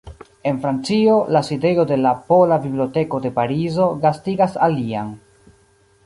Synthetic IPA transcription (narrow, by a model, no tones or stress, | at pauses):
e̞nfɾant͡sio̞laside̞jo̞de̞lapo̞labibliote̞ko̞de̞paɾizo̞ɡastiɡasalia̰n